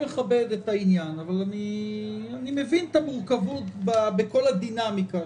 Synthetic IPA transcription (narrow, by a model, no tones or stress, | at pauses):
eχabe̞d̪etainjanavalani | animevint̪amuʁkavut̪babeko̞lad̪inamika